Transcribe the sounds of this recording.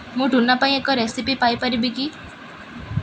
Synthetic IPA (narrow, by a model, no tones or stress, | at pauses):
mũɖʱunapaĩekɔɾesipipajpaɾibiki